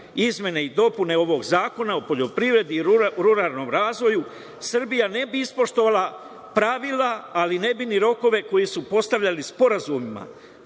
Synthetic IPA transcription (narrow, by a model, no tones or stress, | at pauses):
izmʲjene̞id̪o̞pune̞o̞ʋo̞ɡzaːko̞naopo̞ʎo̞pɾiʋɾe̞d̪iɾuɾaːlˠno̞ːmɾaːzʋo̞ju | sr̩bijane̞biispo̞ʃt̪o̞ʋala | pɾaʋilaːline̞biniɾo̞ko̞ʋe̞ko̞jisupo̞st̪aʋʎalispo̞ɾazumima̰